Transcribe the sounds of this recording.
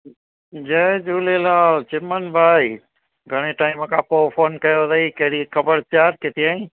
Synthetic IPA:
d͡ʒəd͡ʒuːlelaːt͡ʃɪmənbʱaːi | ɡʱɐɽ̃eʈaːĩmkʰãːpoːfʰoːnkɐjoɾɐikɐɦɽikɐbəɾt͡ɕaːɾket̪iãːĩ

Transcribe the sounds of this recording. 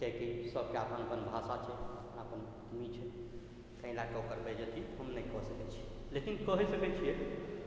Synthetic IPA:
kɛkisəb̚ʱkeapənəpənbʱasat͡ʃʰɛəpnəpən | mit͡ʃʰɛ | k̪ə̃ĩlakeokəɾbɛd͡ʒət̪it̪ɦəmnəjkɔɦsəkɛt͡ʃʰi̥ | lekinkəɦɛsəkɛt͡ʃʰije

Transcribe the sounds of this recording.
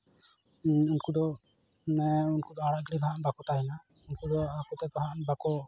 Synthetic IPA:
unkud̪ɔ | ɛunkud̪ɔaɽaʔɡɽib̪ʱaɦnbakut̪ajna | unkud̪ɔakut̪ɛt̪ɔɦanbakɔ

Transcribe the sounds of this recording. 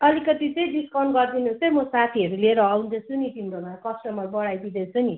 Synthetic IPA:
ʌlikʌt̪it͡sʌj̃ɖiskawnɡʌrd̪inuʌjmʌsat̪ʰiʌɾuleeɾʌːwnd͡zʌsʰuniʈimɾomakʌsʈʌmʌbʌɽajd̪id̪ʌt͡sʰʌni

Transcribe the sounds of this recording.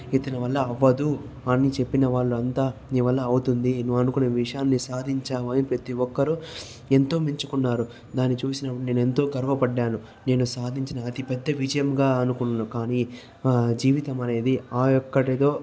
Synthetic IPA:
it̪ɐnɐʋɐlːɐːʋːɐd̪u | ɐnːit͡ʃe̞pːinɐʋaːɭːuɐnt̪aːniːʋɐlːɐːwut̪und̪inuʋɐnukuneʋiʂɐjaːnːisaːd̪ʱiɲt͡ʃaːʋɐːnipɾɐt̪iɔkːɐɾu | e̞nt̪o̞ːmiɲt͡ʃukunːaːɾu | d̪aːnːit͡ʃuːsinɐpːɐɽune̞ːnue̞nt̪o̞ːɡɐɾʋɐpɐɖːaːnu | ne̞ːnusaːd̪ʱiɲt͡ʃinɐːt̪ipɛd̪ːɐʋid͡ʒɐjɐmɡaːɐnukunːanukaːniː | d͡ʒiːʋit̪ɐmɐne̞ːd̪iaːjɔkːɐɽɐd̪o̞ː

